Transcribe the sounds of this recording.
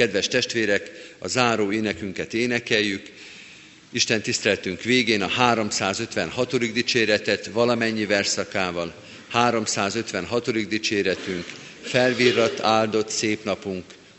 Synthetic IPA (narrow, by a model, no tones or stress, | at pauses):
kɛd̪ʋɛʃt̪ɛʃt̪ʋeːɾɛkɒ̰zaːɾoːeːnɛkyŋkɛt̪eːnɛkɛjːyk | iʃt̪ɛnt̪ist̪ɛlɛt̪yŋkʋeːɡeːnɒhaːɾo̞msaːzø̞t̪ʋɛnɦɒt̪o̞d̪iɡd̪it͡ʃeːɾɛt̪ɛt̪vɒlɒmɛɲːivɛrsɒkaːvɒl | haːɾo̞msaːzø̞t̪ʋɛnɦɒt̪o̞d̪iɡd̪it͡ʃeːɾɛt̪yŋk | fɛlvirːɒt̪ːaːld̪o̞t̪seːpnɒpuŋk